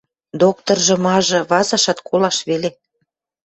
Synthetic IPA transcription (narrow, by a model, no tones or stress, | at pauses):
d̪ok̚t̪orʒɤ̆mɑʒɤ̆βɑzɑʃɑt̪kʰolɑʃβele